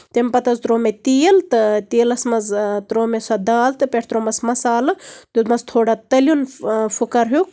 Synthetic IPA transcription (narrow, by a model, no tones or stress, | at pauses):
t̪emʲpɐt̪ɐzt̪ɾoːmet̪ijlt̪ɨt̪iːlɐsmɐzt̪ɾoːmesɐd̪aːlt̪ɨpeʈʰt̪ɾoːmɐsmɐsaːlɨt̪ut̪mɐzt̪ʰoːɽat̪ɐlʲunfʰukɐɾɦjuk